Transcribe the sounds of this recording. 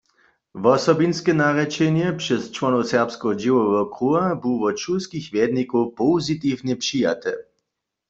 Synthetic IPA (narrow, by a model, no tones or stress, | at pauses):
vɔsɔbinskɛnaʁɛt͡ʃɛnjɛpʂɛst͡ʃwɔnɔwsɛʁpskɔɦɔd͡ʒiwɔʋɛɔkʁuabuwvɔt͡ʃuskixvjɛd̪nikowpowzit̪iwnɛpɕija̰t̪ɛ̰